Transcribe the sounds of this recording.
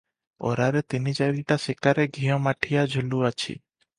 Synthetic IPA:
ɔ̰ɾaɾet̪inid͡ʒaɾiʈasikaɾeɡʱijɔ̃maʈʰijad͡ʒʱuluat͡ʃʰḭ

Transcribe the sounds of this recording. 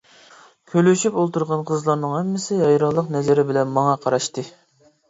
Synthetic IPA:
kʲʰølyʃypolˠt̪uɾʁɑnqʰəzlˠɑɾnɨŋhɛmːɪsɪjɑjɾɑlˠəqnɛzɪɾɪbɪlɛnmɑŋɑqʰɑɾɑʃt̪ɨ

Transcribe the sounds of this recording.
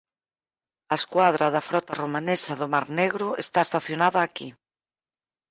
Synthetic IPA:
ɐeskwaðɾɐðɐfɾɔt̪aromanesaðʊmaɾneɣɾʊest̪aest̪aθjonaðɐːki

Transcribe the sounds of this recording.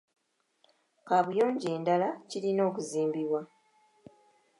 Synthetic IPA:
kaβujo̞ːɲɟe̞ːndalacilino̞ːkuziːmbiβwa

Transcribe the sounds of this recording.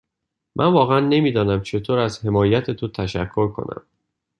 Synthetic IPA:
mʔænvɒːɣeænːe̞miːd̪ɒːnæmt͡ʃʰe̞t̪ʰoːɾæzhe̞mɒːjæt̪ʰet̪ʰot̪ʰæʃæ̰kʰːo̞ɾkʰo̞̰næ̰m

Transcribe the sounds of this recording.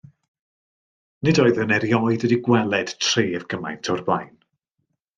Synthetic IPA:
nɪdɔɨðənɛɾjɔɨdədiɡwɛlˠɛd̥tʰr̥iːəvɡ̥əma̰jntʰɔrba̰jn

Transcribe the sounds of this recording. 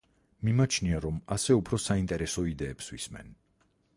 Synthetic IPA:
mimat͡ʃʰniaɾɔmasɛupʰɾɔsaint̪ʼɛɾɛsɔid̪ɛːpswḭsmɛ̰n

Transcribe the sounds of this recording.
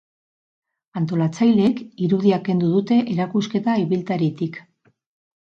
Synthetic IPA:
ant̪o̞lat͡sajleːkiɾuðiake̞nd̪uðut̪e̞ʔeɾakuske̞t̪aiβilt̪aɾit̪ik

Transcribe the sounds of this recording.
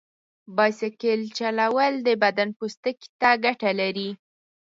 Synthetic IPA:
bɑjsakelt͡ʃalawəld̪əbad̪anpost̪əki̥t̪aɡaʈalaɾi

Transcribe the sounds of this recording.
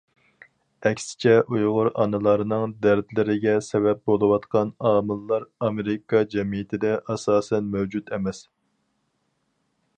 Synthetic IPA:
ɛkʲsɪ̥t͡ʃʰɛʔujʁʊɾɑ̰nɨlˠɑɾɨnɨŋd̪æɾd̪lɪɾɪɡʲɛsɛvɛp̚bolˠɨwɑt̪qʰɑnɑːmɨlˠːɑɾɑmeɾɪkʰɑd͡ʒɛmijɪt̪ʰɪd̪ɛʔɑsɑːsɛnmɛwd͡ʒut̪ɛmɛs

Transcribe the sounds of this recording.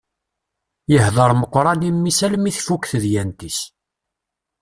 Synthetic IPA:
jəhðˤəɾˤməqːɾˤɑnimːisælmiθfukθəðjænt̪is

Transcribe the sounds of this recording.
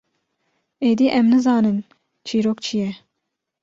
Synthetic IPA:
eːd̪iːʔɛmnɨzɑːnɨn | t͡ʃʰiːɾokt͡ʃʰijɛ

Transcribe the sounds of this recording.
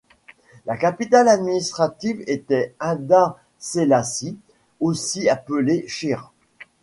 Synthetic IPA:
lakapit̪alad̪minist̪χat̪ivet̪ɛɛ̃d̪a | selasi | osiapəleʃiʁ

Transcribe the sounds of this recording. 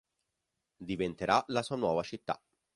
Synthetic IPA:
d̪ivent̪eɾalasuːanwɔːvat͡ʃit̪ːa̰

